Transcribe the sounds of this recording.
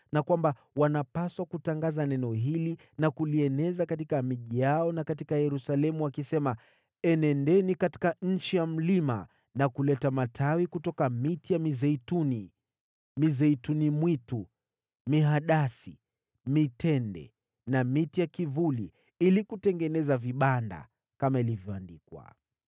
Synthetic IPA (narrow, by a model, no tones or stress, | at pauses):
nakwamba | wanapaswakutaŋɡazanɛnɔɦili | nakuliɛnɛzakat̬ikamiʄijaɔnakat̬ikajɛɾusalɛmuwakisɛma | ɛnɛndɛnikati̥kaɲ̩t͡ʃijam̩lima̰ | nakulɛtamatʰawikutɔkamitijamizɛituni | mizɛitunimwitu | miɦaɗasi | mitɛndɛ̰ | namitijakivulḭ | ilikutɛŋɡɛnɛzaviɓanda̰ | kamailivjɔandikwa̰